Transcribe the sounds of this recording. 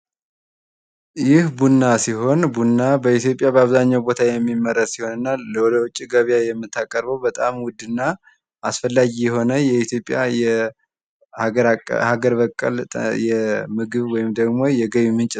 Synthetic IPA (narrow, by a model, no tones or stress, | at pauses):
jɪhbunːasiɦo̞nbunːabəit̪ʰjo̞pʼjabəaβzaɲːawbo̞t̪ʰajɛmːimːərːəssiho̞nɨnːaləwɔd̪əwʊt͡ʃʼːiɡəβjajɛmːɨt̪ʰːakʼəɾbəwbət̪ʼamwʊd̪ɨnːa | ʔasfəlːaɡijɛɦo̞nəjɛit̪ʰjo̞pʼːja̰jɛ | ɾhaɡəɾbəkʼːə̰lʼjɛmɨɡɨβwɔjɪmd̪əɡmo̞jɛɡəβmɨnt͡ʃʼ